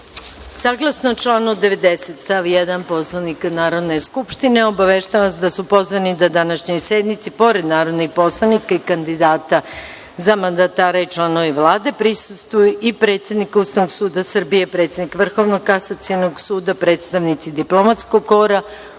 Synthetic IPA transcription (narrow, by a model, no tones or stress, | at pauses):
saːɡlˠasnot͡ʃlˠaːnod̪eʋed̪eset̪st̪aʋjed̪anpo̞slˠanikanaːɾo̞d̪ne̞skupʃt̪ineo̞baʋeʃt̪aaasd̪asupo̞zʋanid̪ad̪anaʃɲo̞jsjed̪mit̪sipo̞ɾed̪naːɾo̞d̪nixpo̞slˠanikaikand̪id̪aːt̪a | zamand̪at̪aːɾait͡ʃlˠano̞ʋiʋlˠaːd̪e̞pɾisust̪ʋujuʔipɾe̞ːt̪sje̞d̪nikuːst̪aʋnoɡsuːd̪asr̩bijepɾe̞t̪sjed̪nikʋr̩xo̞ʋnokasat̪sienoɡsuːd̪apɾe̞ːt̪st̪aʋnit̪sid̪iplˠo̞mat̪sko̞ɡkːo̞ɾa